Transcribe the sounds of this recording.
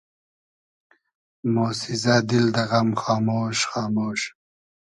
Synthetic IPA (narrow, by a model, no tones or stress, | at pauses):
moːsizad̪ild̪ɐɣɐmχɑːmoːʃχɑːmoːʃ